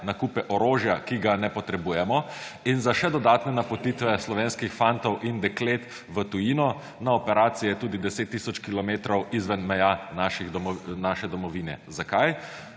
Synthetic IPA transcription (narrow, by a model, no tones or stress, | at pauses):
nakupɛʔɔɾoːʒjakiɡanɛpɔt̪ɾɛbuːjɛmɔinzaʃɛd̪ɔd̪aːt̪nɛnapɔt̪it̪ʋɛslɔʋeːnskixfant̪ɔwʔind̪ɛkleːt̪ | ʋət̪ujinɔ | naɔpɛɾaːt̪sijɛt̪uːd̪id̪ɛseːt̪ːisɔt͡ʃkilɔmeːt̪ɾɔwizʋənmɛjanaʃixd̪ɔmnaʃɛd̪ɔmɔʋiːnɛ̰zakaj